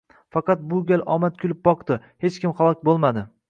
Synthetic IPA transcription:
fɑqɑt̪̚bʊɡʲalʔɒmat̪̚kʰʲʊlɪp̚bɒqt̪ɪ | he̞t͡ʃkʲɪmχalˠɒkʲbolˠmad̪ɪ

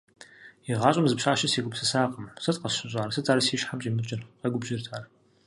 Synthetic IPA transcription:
iʁɑːɕʷʼɐmzɨpʃaːʃɐseːɡʷʊpsɨsaːqʼəmsɨtqɐsʃɪɕʼaːɾɐsɨt͡sʼaːɾsiːʃħamt͡ʃʼiːmɨt͡ʃʼɪrqɐɡʷʊbʒɪrtʰaːr

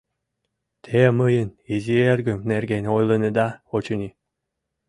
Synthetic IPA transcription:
t̪ʰemɯjənizierɡɘ̆mnerɡenʲojlˠɤ̆nɤd̪ɑot͡ɕunʲi

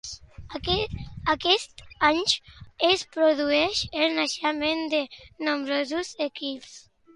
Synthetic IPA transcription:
akɛst̪aɲespɾoðuɛʃelˠnaʃamend̪enombɾɔzuzekils

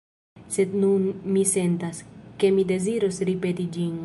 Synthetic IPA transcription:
se̞d̪nunmise̞nt̪aske̞mid̪e̞ziɾosɾipe̞t̪id͡ʒin

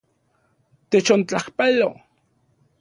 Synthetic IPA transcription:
t̪et͡ʃont͡ɬahpalo

